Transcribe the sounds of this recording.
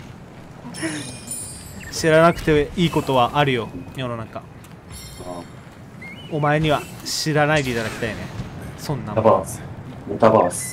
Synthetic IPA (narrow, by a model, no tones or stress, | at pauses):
ɕiɾanakɯ̟t̪eiːko̞t̪o̞βaʔaɾɯ̟jo̞jo̞no̞naka | o̞mae̞ɲ̟iβaɕiɾanaid̪eit̪ad̪akʲi̥t̪aine̞sõ̞nːaba | t̪abas